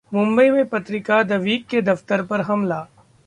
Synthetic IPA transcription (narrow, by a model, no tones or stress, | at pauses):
mʊ̃mbəimẽpɐt̪ɾɪkad̪ɐʋiːkːed̪ɐft̪əɾpɐɾɦɐmlaː